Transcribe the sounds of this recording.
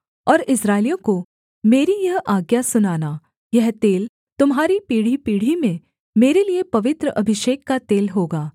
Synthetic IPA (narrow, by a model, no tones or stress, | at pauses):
ɔːɾɪsɾaːɪlijõko | meːɾijɐɦaːɡjasʊnaːna | jɛɦt̪eːl | t̪ʊmɦaːɾipiːɽ̤ipiːɽ̤imẽ | meːɾeliepɐʋɪt̪ɾəʔɐbʱɪʃeːkːat̪eːlɦoːɡaː